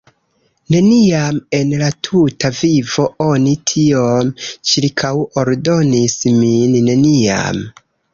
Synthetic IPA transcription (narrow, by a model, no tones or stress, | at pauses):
ne̞niame̞nlatʰutavivo̞o̞nitʰiomt͡ʃiɾkʰawoɾdo̞nisminːe̞nia̰m